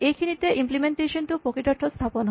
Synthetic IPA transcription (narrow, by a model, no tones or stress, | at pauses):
ekʰinit̪eʔimplimeɳʈeʃonʈ̪upokiʈɔʈʰːost̪ʰaponɦo